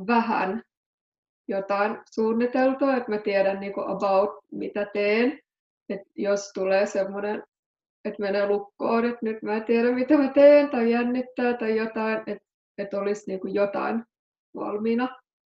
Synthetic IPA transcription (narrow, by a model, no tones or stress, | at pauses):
ʋæhæ̰n | jot̪ɑinsuːnːit̪elt̪oːet̪mæt̪iɛɾænniːkuʔɑ̰bɑut̪mḭt̪æt̪eːn | et̪jost̪uleːsemːonen | et̪menelukːoːnet̪nyt̪mæːt̪iæɾæmmit̪æmæt̪eːnt̪ɑijænːit̪ːæːt̪ɑijot̪ɑinet̪ | et̪olisniːkujot̪ɑ̰in | ʋɑ̰lminɑ